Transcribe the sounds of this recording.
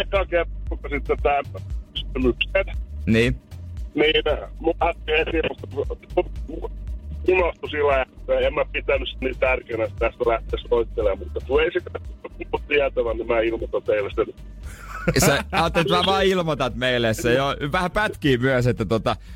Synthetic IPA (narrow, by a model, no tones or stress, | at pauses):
kːˑɑːkert̪ːukːɑsit̪ːet̪æmːyst̪ymykset̪niːniːnmuæt̪ehesimust̪ːɑ | unɑst̪usilːææt̪ːeemmæpit̪ænːysseniːt̪ærkeinæst̪æst̪ælæht̪eːsloit̪ːelemmut̪ːɑk̪ueisekæuukuutt̪iæt̪æʋænnimæilmot̪ɑt̪eilæst̪en | sseɑːt̪ːelit̪mæʋɑːilmot̪ɑt̪meilːˑessejoʋæhæpæt̪kiːmyæset̪ːæt̪ot̪ɑ